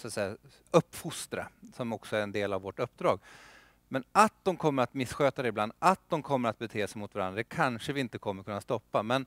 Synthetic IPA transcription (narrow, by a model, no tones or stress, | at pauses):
sat̪sɛjːa | ɵpːfʊst̪ɾa̰sɔmɔksɔæɾɛnd̪eːlavɔʈɵpːd̪ɾɑːɡ | mɛnat̪̚d̪ɔmkʰɔmːəɾat̪mɪsːɧøːt̪ad̪ɛɪbland̪at̪̚d̪ɔmkʰɔmːəɾat̪̚bɛt̪ʰeːsɛɪjmʊt̪vaɾa̰nd̪ɾakʰanʂəvɪɪnt̪əkʰɔmːəɾkʰɵnːast̪ɔpːamɛn